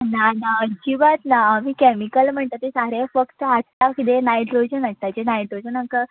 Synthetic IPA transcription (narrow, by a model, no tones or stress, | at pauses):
nanaəd͡ʑibat̪naːmiːkɛmikəlm̤əɳt̪at̪esaɾefəkt̪əat̪t̪akid̪enajʈɾod͡ʑənat̪ad͡ʑenajʈɾod͡ʑənakə